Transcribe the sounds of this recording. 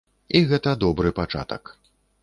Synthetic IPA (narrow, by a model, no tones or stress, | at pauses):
iɣɛt̪ɐd̪ɔbɾɨpat͡ʂa̰t̪ɐ̰k